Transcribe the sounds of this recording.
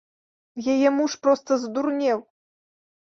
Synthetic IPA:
jajɛmuʂpɾɔst̪ɐzd̪urnʲɛw

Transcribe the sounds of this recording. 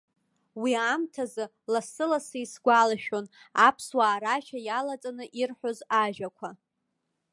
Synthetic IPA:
wiamtʰazɨ | lasɨlasɨisɡʷalaʃᶣonapʰswaːɾaʃajalat͡sʼanɨʔirħʷᶣozaʒᶣakʷʰa

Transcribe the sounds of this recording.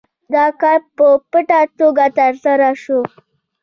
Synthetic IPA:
d̪ɑkaɾpəpəʈat̪oɡat̪əɾsaɾaʃo

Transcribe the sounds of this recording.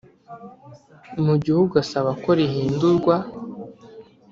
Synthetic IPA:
muɟihuɡuasaβako̞ɾiɦiːnduɾɡwa

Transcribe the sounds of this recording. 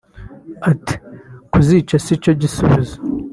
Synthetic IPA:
ati̥kuzit͡ʃasit͡ʃoɟisuβizo̥

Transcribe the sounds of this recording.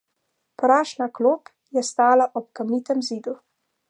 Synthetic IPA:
pɾaːʃnakloːp | jɛst̪aːlaʔɔp̚kamiːt̪ɛmziːd̪u

